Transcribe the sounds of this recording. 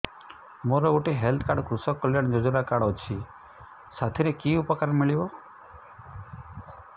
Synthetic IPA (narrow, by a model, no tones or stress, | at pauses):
moɾɔɡuʈeɦelt̪ʰkaɽkɾusɔkːɔljaɽd͡ʒɔd͡ʒuɾakaɽɔt͡ʃʰi | sat̪ʰiɾekiupəkaɾmiɭiʋo